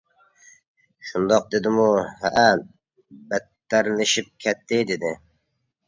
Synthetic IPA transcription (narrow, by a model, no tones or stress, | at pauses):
ʃund̪ɑq̚d̪ed̪ɪmuhæ̰ʔæ | bɛt̪ːæɾlɪʃip̚kʲʰɛt̪ʰːɪd̪ed̪ɪ